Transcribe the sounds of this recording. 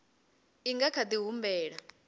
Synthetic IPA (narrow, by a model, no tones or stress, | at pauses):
iŋɡakʰad̪iɦumbɛːɺa